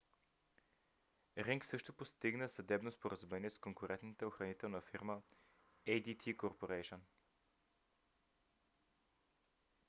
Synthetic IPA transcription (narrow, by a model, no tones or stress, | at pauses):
ɾiŋksɤʃt̪opost̪iɡnəsɐd̪ɛbnospoɾɐzumɛniɛskoŋkʊɾɛnt̪nit̪ɛoxɾɐnit̪ɛlˠnəfiɾmə | ɛjd̪it̪ʰikoɾpoɾɛjʃən